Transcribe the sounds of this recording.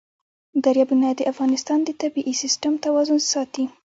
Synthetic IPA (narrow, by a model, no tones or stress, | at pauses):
d̪aɾjɑbunajd̪əʔafɣɑnɪst̪ɑnd̪ət̪abiʔisɪsʈamt̪awɑzʊnsɑt̪i